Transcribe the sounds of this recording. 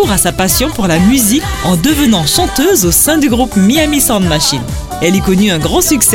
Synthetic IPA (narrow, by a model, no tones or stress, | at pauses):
uʁasapasjɔ̃puʁlamyzik | ɑ̃d̪əvənɑ̃ʃɑ̃t̪øzosɛ̃d̪yɡʁupmiamisɑ̃ʁd̪maʃin | ɛlikɔnyɛ̃ɡʁɑ̃syksɛ